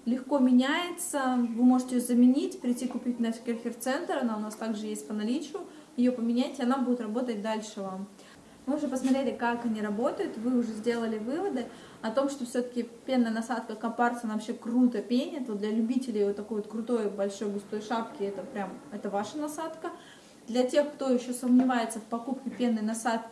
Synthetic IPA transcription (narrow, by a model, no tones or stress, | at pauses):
lʲɪxko̞mʲɪnʲæjɪt̪səvɨmo̞ʐɨtʲɪjzəmʲɪnʲitʲpɾʲɪtʲːikʊpʲit̚ʲnɐsʲkʲɪrxʲɪrt̪sɛnt̪ɾɐnaʊnast̪aɡʐɨjesʲt̚ʲpənɐlʲit͡ɕʊ | jɪjopəmʲɪnʲætʲɪɐnabudʲɪt̪rɐbo̞t̪ət̚ʲd̪alʲʂɨvam | vɨʊʐɛpəsmɐt̪ɾʲelʲɪkakɐnʲiɾɐbo̞t̪əjʊt̪vɨʊʐɛzʲdʲe̞lˠəlʲɪvɨvəd̪ɨ | ɐt̪o̞mʂt̪o̞fsʲot̪ə̥kʲɪpʲe̞nːəjənɐsat̪kəkɐpart̪ɐnavɐpɕekrut̪əpʲenʲɛt̪vod̪lʲɐlʲʉbʲitʲɪlʲɪjvot̪ːɐko̞jvo̞t̪̚kɾʊt̪o̞jbɐlʲʂo̞jɡʊst̪o̞jʂapkʲɪɛt̪əpɾʲamɛt̪əvaʂənɐsat̪kə | d̪lʲɐtʲe̞xkt̪o̞jɪɕːo̞səmnʲɪvajɪt̪səfpɐkupkʲɪpʲe̞nːəjnɐsat̪̚kʲɪ